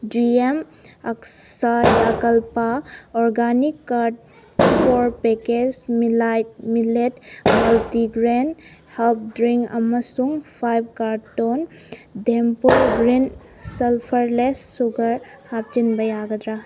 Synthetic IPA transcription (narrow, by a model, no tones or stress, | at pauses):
d͡ʒiem | aksajakɐlpaɔɾɡanikːaɾʈ̚ | pʰoɾpeked͡ʒmilamiletmɐltiɡɾenhelp̚dɾiŋɐ̰mɐsuŋpʰajb̚kaɾton | dempuɾɡɾin | selpʰɐɾlesːuɡɐɾ | hap̚t͡ʃinbɐjaɡɐd̪ɾa